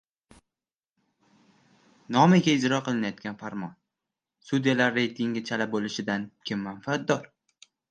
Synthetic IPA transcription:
nɒmɪɡʲaɪd͡ʒɾɒqʰɨlˠɪnajɒt̪̚ɡʲanfaɾmɒn | sud̪ijalaɾːe̞jt̪ʰɪŋʲɪt͡ʃʰalabolɪʃɪd̪ankʲʰɪmːanfaːt̪̚d̪ɒɾ

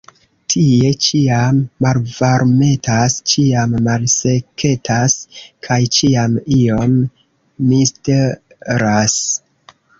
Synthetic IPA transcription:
tʰie̞t͡ʃiamːalvaɾme̞tast͡ʃiamːalse̞ke̞tʰaskʰajt͡ʃiamio̞mː | iste | ɾas

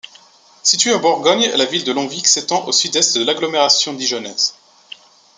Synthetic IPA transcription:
sit̪ɥeɑ̃buʁɡɔɲḛlavild̪əlɔ̃vikset̪ɑ̃ʔosyd̪ɛst̪d̪əlaɡlɔmeʁasjɔ̃d̪iʒɔnɛ̰z̥

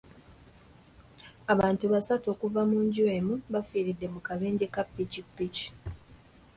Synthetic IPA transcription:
aβaːntuβasato̞ːkuvamuːɲɟuweːmuβafiːɾidːe̞mukaβe̞ːɲɟekapːicipːici̥

